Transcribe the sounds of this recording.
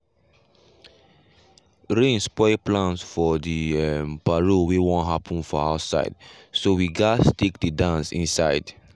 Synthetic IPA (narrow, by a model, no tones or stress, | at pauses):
ɹẽnspɔɪplãnsfɔdiɛmpaɹowewɔ̃nɦapʰə̃nfɔasa̰ɪd | sowiɡastekdədãnsĩnsaɪd